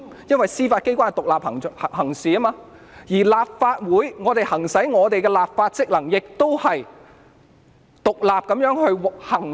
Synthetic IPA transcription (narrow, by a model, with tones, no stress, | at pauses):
jɐ˥nwɐ˨jsiː˥faː˧t̚ke˥jkʷaː˥n˨t̪ʊ˨k̚laː˨p̚hɐ˨˩ŋ˨hɐ˨˩ŋsiː˨ɐ˥maː˧ | jiː˨˩laː˨p̚faː˧t̚wuː˨˥jŋɔː˨˧t̪e˨jhɐ˨˩ŋsɐ˨˥jŋɔː˨˧t̪e˨jkɛː˧laː˨p̚faː˧t̚t͡sɪ˥k̚lɐ˨˩ŋjɪ˨k̚t̪o˥whɐ˨j | t̪ʊ˨k̚laː˨p̚kɐ˨˥mjœː˨˥ŋhɵ˧ɥw̚hɐ˨˩ŋ